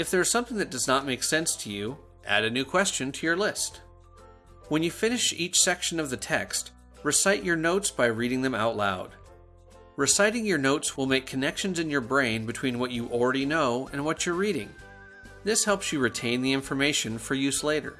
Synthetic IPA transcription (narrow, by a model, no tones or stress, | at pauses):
ɨfðə˞ɨz̥sʌ̃mθɪ̃ŋðɨt̚d̥ʌznət̚meɪksɛ̃nstʰɨjʉ | ʔæ̰ɾɨnʉkʰw̥ɛst͡ʃɨ̃ntʰɨjə˞lɪst | wə̃njɨfɪ̃nɨʃit͡ʃsɛkʃɨ̃nʌvðɨtʰɛ̰kst | ɹɨsaɪt͡ʃə˞noʊtsb̥aɪɹiɾɪ̃ŋðɨ̃ma̰ʊtˡla̰ʊd̥̚ | ɹɨsaɪɾɪ̃ŋjə˞noʊtswəlˠmeɪkʰːɨnɛkʃɨ̃n̩zɨ̃njə˞bɹẽɪ̃nbɨtʰw̥ĩnwʌt͡ʃɨʔl̩ˠɹɛɾinoʊɨ̃nwʌt͡ʃə˞ɹiɾɪ̰̃ŋ | ðɪshɛlˠpsjɨɹɨtʰẽɪ̃nðiɪ̃ɱfə˞meɪʃɨ̃nfə˞jʉsleɪɾə̰˞